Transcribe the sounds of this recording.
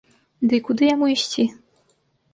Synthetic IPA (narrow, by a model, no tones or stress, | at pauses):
d̪ɨkud̪ɨjamuiɕʲt͡sʲi